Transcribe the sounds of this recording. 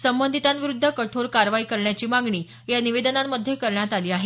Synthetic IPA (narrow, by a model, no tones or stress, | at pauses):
səmbənd̪ʱit̪anʋiɾud̪ʱːəkəʈʰoɾkaɾʋaiːkəɾɳjat͡ɕiːmaŋɡɳiː | janiʋed̪ənamːəd̪ʱːjekəɾɳjat̪aliːaɦe